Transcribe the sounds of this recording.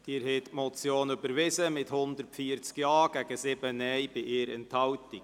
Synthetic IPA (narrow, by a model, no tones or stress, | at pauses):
d̪̥iːɾhɛt̪mɔt͡sjoːnybəɾʋɪsəmɪthʊnd̪əɾtfiːəɾt͡skjɑːɡ̥æɡ̥əsɪbənɛjbɪʔɪːɾɛnthɑwtɪk